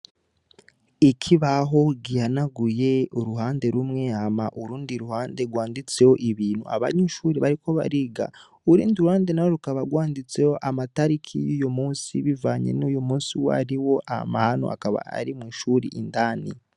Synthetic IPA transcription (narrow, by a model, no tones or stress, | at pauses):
ikʰiβaɦo̞ɡijanaɡuje̞uɾuɦaːnde̞ɾumŋe̞amaʔuɾuːndiɾuhaːnde̞ɡwaːndit͡se̞ho̞ʔiβiːnhṵʔa̰βa̰ɲuːʃuːɾiβaɾiko̞βa̰ɾiɡa̰ | uɾuːndiɾuhaːndenaoɾukaβaɡwaːndit͡se̞jo̞ʔamataɾikʰḭjuːjomuːnsḭβivaːɲḛnuːjomuːsiwaɾiwo̞ʔama̰hanoʔa̰kaβa̰a̰ɾimŋiːʃuɾḭʔindaːnḭ